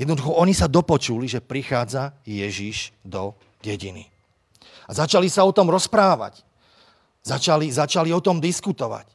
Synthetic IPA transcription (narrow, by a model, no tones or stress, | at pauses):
jɛd̪nɔd̪uxɔɔɲisad̪ɔpɔt͡ʃuliʒɛpɾixaːd͡zajɛʒiʃd̪ɔ | ɟɛɟinḭ | azat͡ʃalisaɔt̪ɔmɾɔspɾaːʋa̰c | zat͡ʃalizat͡ʃaliɔt̪ɔmd̪iskut̪ɔʋa̰c